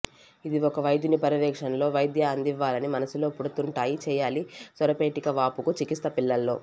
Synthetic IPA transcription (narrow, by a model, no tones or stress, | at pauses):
id̪iɔkɐʋɐjd̪inipɐɾiʋɛːkʂɐnlo̞ːʋɐjd̪jɐːnd̪iʋːaːlɐnimɐnɐsulo̞ːpuɽut̪uɳʈaːjit͡ʃɛːjaːlisɐɾɐpeːʈikɐʋaːpukut͡ʃikist̪ːɐpilːɐlːo̞̰ː